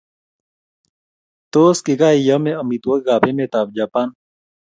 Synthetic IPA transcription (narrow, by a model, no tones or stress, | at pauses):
t̪oskiɡaijəmeəmit̪wokɡapemet̪ab̚d͡ʒapan